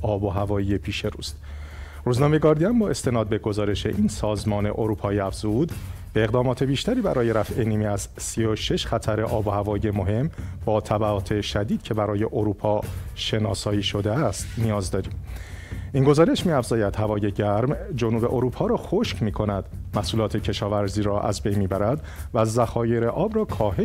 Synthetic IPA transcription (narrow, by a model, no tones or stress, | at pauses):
ɒːboɦævɒːiːje̞pʰiːʃe̞ɾṵːst̪ | ɾuːznɒːmejeɡɒːɾd̪ijæmbɒːʔe̞st̪ʰe̞nɒːd̪̚be̞ɡo̞zɒːɾe̞ʃe̞̰ʔiːnsɒːzmɒːne̞̰ʔoɾuːpʰɒːiːæfz̥ud̪b̥e̞eɣd̪ɒːmɒːt̪ʰe̞biːʃt̪ʰæɾiːbæɾɒːje̞ɾæfʔe̞niːmiæzsioʃeʃxæt̪ʰæɾe̞ʔɒːbohævɒːije̞mo̞ɦe̞mb̥ɒːt̪ʰæbæɒːt̪ʰe̞ʃæd̪iːd̪̚cʰe̞bæɾɒːje̞ʔoɾuːpʰɒːʃe̞nɒːsɒːiːʃo̞d̪eæst̪nijɒːzd̪ɒːɾiːm | ʔiːnɡo̞zɒːɾe̞ʃmiæfz̥ɒːjæd̪̥hævɒːje̞ɟæɾmd͡ʒonuːbe̞ʔoɾuːpʰɒːɾɒːxoʃcmiːkʰo̞næd̪mæsuːlɒːt̪ʰe̞cʰe̞ʃɒːvæɾziːɾɒːʔæ̰zbe̞jnmiːbæɾæd̪ | væzæxɒːje̞ɾe̞ʔɒːbrɒːkʰɒːɦe